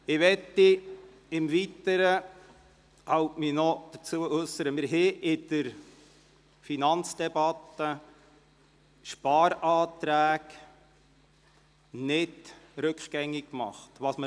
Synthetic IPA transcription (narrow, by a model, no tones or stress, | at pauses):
ɪʋɛtːi | ɪmvit̪əɾə | hawtminɔd̥̪ət͡suəʔʉsəɾəmɪɾɦɪʔɪd̥əɾ | finɑnt͡sd̥ɛbɑt̪ːə | ʃpɑːɾɑːt̪ɾæːk | nɪdɾɵkχɡ̥ɛŋːɪkkmɑ̰χtʋɑsmə